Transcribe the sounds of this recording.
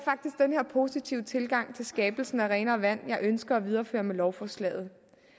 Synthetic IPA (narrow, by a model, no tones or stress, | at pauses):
fɑ̈ɡ̥̚d̥isɡ̥d̥enhe̝ɐ̰pʰo̝ːsit͡sʰiʊət͡sʰe̝lɡ̥ɑ̈ŋ̰t͡sʰe̝lsɡ̥ɛːb̥l̩sn̩æʁɛːnɐʋæn̰jɑ̈ɪʔønsɡ̥ɐɒ̽ʋið̞ˠɐfø̰ːɐmelɒʊfɒslɛ̰ːð̞̩ˠ